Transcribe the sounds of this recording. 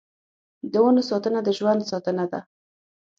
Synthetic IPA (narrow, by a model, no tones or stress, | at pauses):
d̪əwanosɑt̪ənad̪əʒwand̪sɑt̪ənad̪a